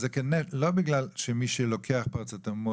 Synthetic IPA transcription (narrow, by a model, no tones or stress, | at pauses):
zɛkɛnɛlobiɡlalʃemiʃelokʰeaχpaʁt͡sat̪amo